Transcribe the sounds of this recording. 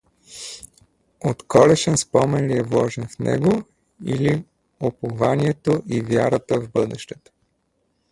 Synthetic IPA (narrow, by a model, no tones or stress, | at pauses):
ot̪kɔlɛʃɛnspɔmɛnliɛvlˠɔʒɛnfnɛ̰ɡo | ḭli | opovaniɛt̪oʔivjaɾət̪əvbɤd̪ɛʃt̪ɛt̪ə̥